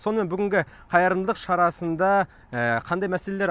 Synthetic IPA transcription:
so̞nəmenbʏɡʲɪŋɡʲɪ | qʰɑjɑɾənd̪ˠəqʃɑɾɑsənd̪ɑ | əqʰɑnd̪ɑjmæsele̞leɾ

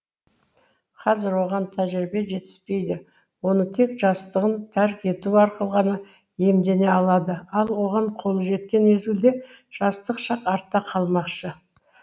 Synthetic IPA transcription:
qʰɑzɪɾwo̞ʁɑnt̪ʰæʒɾɪbe̞ʒe̞t̪ɪ̥spe̞jd̪ɪ | wo̞nət̪ʰe̞kʒ̥ɑst̪əʁənt̪ʰæɾkʲe̞t̪uɑɾqəlˠʁɑnə | je̞md̪e̞ne̞ɑlˠɑd̪əɑlˠwo̞ʁɑɴqʰo̞lˠəʒe̞t̪̚kʲe̞nwezɡʲɪld̪e̞ | ʒ̥ɑst̪əqʃɑqɑɾt̪ːɑqʰɑlˠmɑqʃə

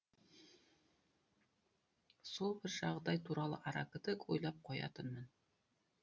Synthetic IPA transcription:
sulˠbɘɾʃɑʁd̪ɑjt̪uɾɑlˠɤ̰ʔɑɾɑkɤ̆t̪ɤkujlˠɑp̚qɒjɑ̰t̪ɤnmɤn

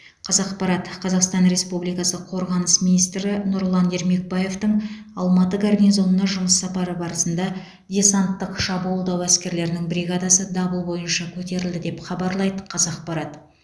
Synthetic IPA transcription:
qʰɑzɑqpɑɾɑt̪qʰɑzɑqst̪ɑnɾe̞spublijkɑsəqʰo̞ɾʁɑnəsminijst̪ɾɪnuɾlˠɑne̞ɾme̞k̚baje̞ft̪əɴɑlˠmɑt̪əɡarnʲizo̞nənɑʒʊməsːɑpɑɾəbɑɾəsənd̪ɑ | dʲe̞sant̪ːəqʃɑbuulˠd̪ɑwæskʲe̞ɾle̞ɾɪnɪŋbɾiɡɑd̪ɑsəd̪ɑbəlˠbo̞jənʃɑkʲʰɵt̪e̞ɾɪld̪ɪd̪e̞pχɑbɑɾlˠɑjd̪əqʰɑzɑq̚pɑɾɑt̪

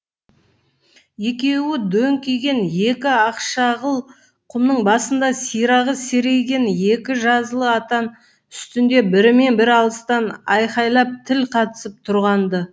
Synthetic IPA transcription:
je̞kʲe̞wɪd̪ɵŋkʲʰe̞ɡʲe̞nje̞kʲɪɑqʃɑʁəlˠ | qʰʊmnəɴbɑsənd̪ɑsijɾɑʁəse̞ɾe̞ɡʲe̞nje̞kʲɪʒɑzəlˠəɑt̪ɑn | ʏst̪ɪnd̪e̞bɪɾɪme̞nbɪɾɑlˠəst̪ɑnɑjqɑjlˠɑp̚t̪ʰɪlqʰɑt̪ə̥səp̚t̪ʰʊɾʁɑnd̪ə

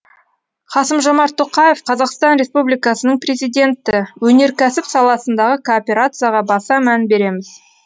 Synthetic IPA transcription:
qʰɑsəmʒo̞mɑɾt̪ʰːoqɑje̞fqʰɑzɑqst̪ɑnɾʲe̞spublijkɑsənəɴpre̞zijd̪ʲe̞nt̪ːɪwɵne̞ɾkʲʰæsɪpsɑlˠɑsənd̪ɑʁəkʰoːpʲe̞ɾat̪sɨjaʁɑbɑsɑmænbe̞ɾe̞mɪz

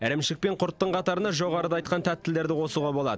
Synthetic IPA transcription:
æɾemʃɪk̚pe̞ɴqʰʊɾt̪ːəɴqʰɑt̪ɑɾənɑʒo̞ʁɑɾəd̪ɑjt̪̚qɑnt̪ʰæt̪ːɪld̪e̞ɾd̪ɪwo̞suʁɑbo̞lˠɑ̰d̪ə

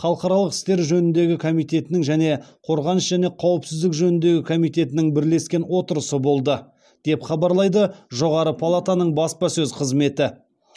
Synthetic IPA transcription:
χɑlˠqɑɾɑlˠəqɪ̥st̪e̞ɾʒɵnɪnd̪e̞ɡʲɪkʰo̞mijt̪e̞t̪ɪnɪŋʒæne̞qʰo̞ɾʁɑnəʃʒ̥æne̞qʰɑwəpsɪzd̪ɪkʒɵnɪnd̪e̞ɡʲɪkʰo̞mijt̪e̞t̪ɪnɪŋbɪɾle̞skʲe̞nwo̞t̪əɾəsəbo̞lˠd̪ə | d̪̥e̞pχɑbɑɾlˠɑjd̪əʒo̞ʁɑɾəpʰalˠat̪anəɴbɑspɑsɵzqʰəzme̞t̪ɪ

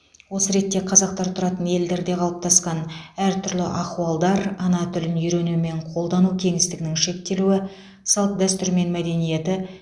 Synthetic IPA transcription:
wo̞səɾe̞t̪ːe̞qʰɑzɑq̚t̪ɑɾt̪ʰʊɾɑt̪ənje̞ld̪e̞ɾd̪e̞qʰɑlˠəp̚t̪ʰɑsqɑnæɾt̪ʰʏɾlɪ̰ʔɑquɑlˠd̪ɑɾɑnɑt̪ʰʏlɪnʏjɾe̞nume̞ɴqʰo̞lˠd̪ɑnukʲʰe̞ŋɪst̪ɪɡʲɪnɪŋʃe̞k̚t̪e̞luɪ | sɑlˠt̪d̪æst̪ʏɾme̞nmæd̪e̞nije̞t̪ɪ

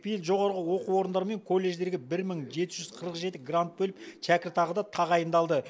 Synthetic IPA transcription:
pʰijɪlʒo̞ʁɑɾʁəwo̞quwo̞ɾənd̪ɑɾəme̞ŋkʰo̞lːe̞ʒd̪e̞ɾɡʲɪbɪɾməɴʒe̞t̪ɪʒʏz̥qʰəɾəqʒe̞t̪ɪɡrant̪̚bɵlɪpʃʰækʲɪɾt̪ʰɑʁəd̪ɑt̪ʰɑʁɑjənd̪ɑlˠd̪ə

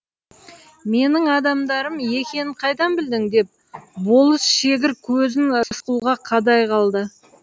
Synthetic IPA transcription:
me̞nɪŋɑd̪ɑmd̪ɑɾəmje̞kʲe̞nqʰɑjd̪ɑnbɪld̪ɪŋd̪e̞p̚ | bo̞lˠəsʃe̞ɡʲɪɾkʲʰɵzɪnsquwʁɑqʰɑd̪ɑjqʰɑlˠd̪ə

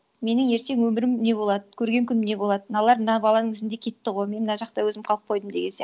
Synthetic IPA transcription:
me̞nɪŋje̞ɾt̪e̞ŋwɵmɪɾɪmne̞bo̞lˠɑd̪əkʲʰɵɾɡʲe̞ŋkʲʰʏnne̞bolˠɑd̪ənɑlˠɑɾmənɑbɑlˠɑnəŋɪzɪnd̪e̞kʲʰe̞t̪ːɪʁo̞jme̞nmənɑʒɑq̚t̪ɑwɵzɪmqʰɑlˠəq̚ʰo̞jd̪əmd̪e̞ɡʲensj

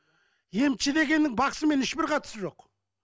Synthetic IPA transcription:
je̞mt͡ʃɪd̪e̞ɡʲe̞nːɪŋbɑqsəme̞nɪʃbɪɾqʰɑt̪ə̥səʒo̞q

